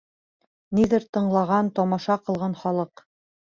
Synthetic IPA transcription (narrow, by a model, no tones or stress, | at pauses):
niðɘɾt̪ɤ̆ɴlˠɑʁɑnt̪ɒmɑʃɑqɤ̆lˠʁɑnχɒlˠɤq